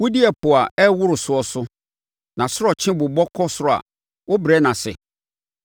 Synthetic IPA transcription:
wʊ˦di˦ɛ˨pʰʊ˨a˨ɛ˦wʊ˦ɾʊ˨sʊ˨˦ɔ˨sʊ˦ | nã˨sʊ˦ɾɔ˨t͡ɕʰɪ̃˦bʊ˨bɔ˦kʰɔ˦sʊ˨ɾɔ˨a̰˨ | wʔʊ˦bɾɛ˦nã˨sɛ̰˨

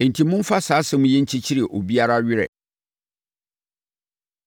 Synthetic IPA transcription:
ɪ̃˨n˨tʰi˨mʊ̃˦m˦fa˦saː˨˦sɛ̃˦mʊ̃˦jɛ˦ɲ̩˦t͡ɕʰi˦t͡ɕʰi˦ɾi˨ʔo˨bi˦a˦ɾa˦ɥɪ˦ɾɛ̰˨

